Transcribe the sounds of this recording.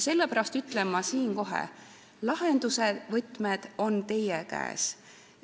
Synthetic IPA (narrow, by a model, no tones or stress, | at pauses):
se̞lːepæɾɑst̪yt̪ːˑlemːɑsiːnko̞ɦḛ | lɑhend̪̥usevɤt̪ːˑmed̪̥o̞nt̪e̞jekæ̰ːs